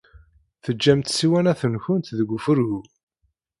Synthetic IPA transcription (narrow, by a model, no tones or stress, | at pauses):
θəd͡ʒːæmt̪siwænæθənçʊnt̪ðəɡʷʊfəɾɣu